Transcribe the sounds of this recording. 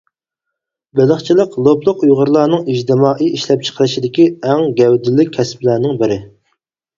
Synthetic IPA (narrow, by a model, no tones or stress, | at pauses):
bɪləχt͡ʃʰilˠəqlˠoplˠʊqujʁəɾlˠɑːnɨŋid͡ʒd̪ɪmɑːʔiiʃlɛp̚t͡ʃʰə̥qʰəɾɨʃid̪ɪkʲiɛŋɡʲɛwd̪ɪlːɪkʲʰːɛsplæːnɪŋbɪɾɪ